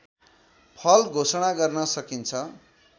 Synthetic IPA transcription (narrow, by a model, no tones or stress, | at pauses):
pʰʌlɡʱosʌɽ̃aɡʌrnʌsʌkint͡sʰʌ